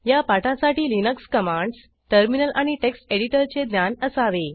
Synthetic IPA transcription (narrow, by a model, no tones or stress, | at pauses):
japaʈãsaʈiːlinəkskəmaɳɖs | ʈəɾminəlʔaɽ̃iʈeksʈeɽiʈəɾt͡sed̪njanəsaʋe